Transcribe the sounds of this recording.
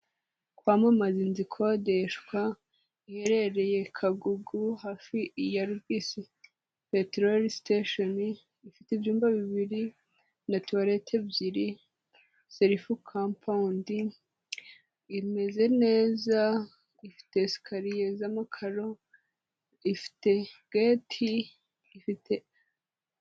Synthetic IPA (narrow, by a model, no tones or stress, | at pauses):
kwamamazinzikʰo̞de̞ʃkwa | ihe̞ɾe̞ɾe̞je̞kʰaɡuɡuhafijaɾuɾɡiːsi | petɾoɾisteʃoni | ifiteivjuːmbaβiβiɾi | natuaɾetʰebjiɾi | seɾifukʰampʰaundi | me̞ze̞ne̞ːza | ifi̥te̞si̥kʰaɾijezamakʰaɾo̞ | ifi̥te̞ɡ̥etʰiː | fitʰe